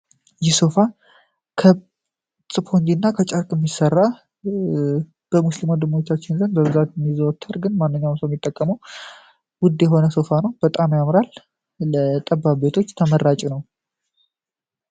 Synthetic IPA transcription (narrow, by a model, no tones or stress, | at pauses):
jɪso̞fa | kʰə | st͡sʼɨpʰond͡ʒ̪inːakʰət͡ʃʼəɾkʼɛmːisərːa | b̥əmuslimod̪ɨmot͡ʃːat͡ʃːɪnzɨnbəbɨzat̪jɛmːizəwt̪ʰːəɾɡɨnmanːɨɲːawmsojɛmːit̪ʼːəkʼːəməw | wʊd̪jɛɦo̞nəso̞fanəwbət̪ʼamjamɾalː | ət̪ʼəbːabe̞t̪ʰo̞t͡ʃːt̪ʰəməɾːat͡ʃʼinəw